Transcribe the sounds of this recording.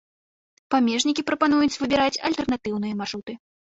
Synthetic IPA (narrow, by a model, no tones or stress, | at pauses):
pamʲɛʐnʲikʲipɾɐpan̪ujut͡sʲvɨbʲiɾat͡sʲɐ̰lʲt̪ɛrnat̪ɨwn̪ɨjɐmaʐut̪ɨ